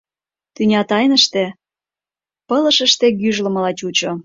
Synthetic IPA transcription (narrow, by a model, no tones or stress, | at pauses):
t̪ynʲɑt̪ɑjnəʃt̪ĕ | pə̆lə̆ʃəʃt̪ĕɡyʒlə̆mɤ̆lɑt͡ɕut͡ɕo